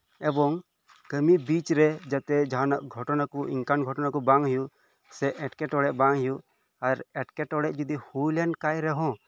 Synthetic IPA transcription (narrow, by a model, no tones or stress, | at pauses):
ɛbɔŋ | kəmibit͡ʃɾɛd͡ʒat̪ɛd͡ʒaɦanaʔɡʱɔʈɔnakuʔḭŋkanɡʱɔʈɔnakubaŋɦjuʔ | sɛʔɛʈkɛʈɔɽɛʔbaŋɦjuʔ | aɾɛʈkɛʈɔɽɛʔd͡ʒud̪ihujlɛnkajɾɛɦɔ̃